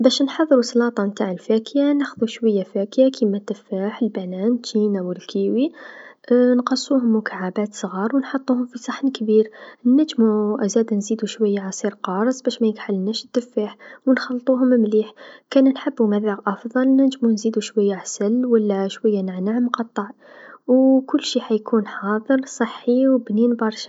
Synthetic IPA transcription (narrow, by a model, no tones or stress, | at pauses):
bæʃnħɑðˤːɾuslɑt̪ˤɑmt̪aʕəlfækjanæxðuʃwæjːafækjakʰimæt̪əfːaħəlbænænt̪ːinæwəlkʰiwi | nqɑsˤːuhʊmːʊkʰaʕabæt̪sˤɣɑɾˤwənħɑt̪ˤːuhʊmfisˤɑħnkbiɾnːæʒmuʔæzæd̪nzid̪uʃwəjːaʕasˤiɾqɑɾˤəsˤbæʃmæjəkħalnæʃəd̪̥ːəfːaħwənxɑlt̪ˤuɦʊmmliħkænænħəbːumæðæqʔɑfd̪ˤɑlnæʒmunzid̪uʃwəjːaʕasəlwəlːæʃwəjːanaʕnaʕmqɑt̪ˤːɑʕwkʊlːʃiħajkʰunħɑd̪ˤəɾˤsˤɑħːiwbninbɑɾˤʃ